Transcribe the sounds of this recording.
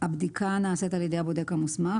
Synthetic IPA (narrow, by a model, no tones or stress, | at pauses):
abd̪ikʰanaːset̪aljed̪ejabod̪ekamusma